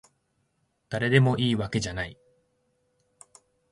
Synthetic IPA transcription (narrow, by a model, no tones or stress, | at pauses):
d̪̥aɾe̞d̪e̞mo̞ʔiːβake̞ʑanai